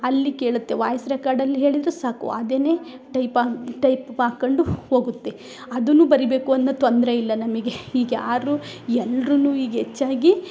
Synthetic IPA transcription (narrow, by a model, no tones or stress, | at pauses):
ɐlːike̞ːɭut̪ːe̞ʋaːjɐsɾɐkaːɖɐlːiɦe̞ːɭid̪ɾesaːkṵɐd̪eːne̞ːʈɐjpaːʈɐjpaːkoɳɖuho̞ːɡut̪ːe̞ | ɐd̪unuːbɐɾibe̞ːkuɐnːɐt̪ond̪ɾeilːɐnɐmɐɡe̞iːɡaːɾuɛlːɾunuːiːɡet͡ʃːaːɡi